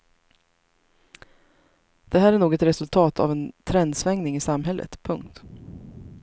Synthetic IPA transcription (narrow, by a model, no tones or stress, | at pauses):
d̪̥ɛɦæːɾæɳuːɡɛt̪ɾɛsɵlt̪ʰɑːt̪ʰa̰vɛnt̪ʰɾɛnd̪svɛŋnɪŋɪsamɦɛlːʔə̰t̪pʰɵŋk̚t̪